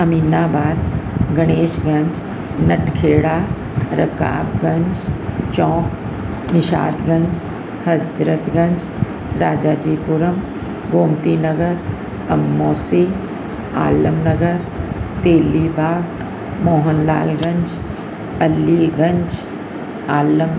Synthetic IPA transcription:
ɐmiːnaːbaːd̪ɡɐɽ̃eːʃɡɐ̃ɲd͡ʒ | nɐʈkʰeːɽaː | ɾɐ̰ka̰ːbɡɐ̃ɲd͡ʒt͡ʃɔ̃ːk | nɪʃa̰ːd̪ɡɐ̃ɲd͡ʒ | hɐd͡ʒɾət̪ɡɐ̃ɲd͡ʒ | ɾaːd͡ʒaːd͡ʒiːpʊɾəm | ɡoːmt̪iːnɐɡəɾ | ɐmːoːsi | a̰ːləmnɐɡəɾ | t̪eːliːbʱaːɡ | mɔːɦənla̰ːlɡɐ̃ɲd͡ʒ | ɐlːiːɡɐ̃ɲd͡ʒ | aːləm

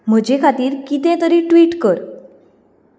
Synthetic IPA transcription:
mod͡ʒekʰat̪iɾkit̪ẽt̪oɾiʈwiʈkɔɾ

